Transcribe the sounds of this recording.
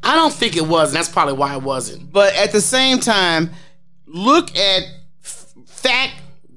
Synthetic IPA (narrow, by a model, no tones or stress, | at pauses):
ʔaɪɾõʊ̃nθɪ̃ŋkɨt̚wʌz̃n̩ðætspʰɹ̥ɑbəbliwaɪət̚wʌzɨ̰̃nt̚b̥ʌɾɨt̪̚ðɨsẽɪ̃mtʰãɪ̃m | lʊkʰɨt̚ | fæk̚